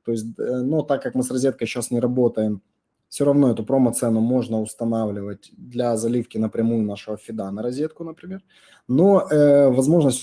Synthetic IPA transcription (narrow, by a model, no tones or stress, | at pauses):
t̪o̞ɪsʲt̚ʲnot̪akːakmɨsɾrɐzʲet̪kəjɕasnʲɪɾɐbo̞t̪əjɪm | fsʲoɾɐvno̞ɛt̪ʊpɾomɐt̪sɛnːʊmo̞ʐnəʊst̪ɐnavlʲɪvət̚ʲd̪lʲazɐlʲifkʲɪnəpɾʲɪmujʊnaʂɨvəfʲɪd̪anəɾɐzʲe̞t̪kʊnəpɾʲɪmʲe̞r | noəvɐzmo̞ʐnəsʲtʲ